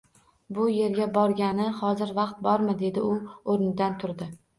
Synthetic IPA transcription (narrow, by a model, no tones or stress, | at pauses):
bʊje̞ɾɡʲabɒɾɡʲanɪhɒzɪɾvɑqt̪̚bɒɾmɪd̪e̞d̪ɪʊoɾɪnɪd̪ant̪ʰʊɾd̪ɪ